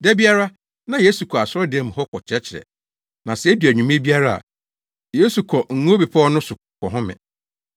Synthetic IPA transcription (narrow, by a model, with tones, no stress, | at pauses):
dæ˦bi˦a˦ɾa˦ | nã˦jeː˦su˨kʰɔ˨a˨sʊ˦ɾɔ˦dɪ˨ɛ˦m̃˨hɔ˦kʰɔ˨t͡ɕʰɛ˦t͡ɕʰɪ˨ɾɛ̰˨ | nã˨sɛ˨˦di˨æ˨ɲᶣũ˨mĩ˦e˦bi˦a˦ɾa˦a̰˨ | jeː˦su˨kʰɔ˨ŋ̩˨ŋõ˦be˨pʰa˦ɔ˦nʊ̃˦sʊ˨ | kʰɔ˨ɦʊ̃˦mɪ̰̃˨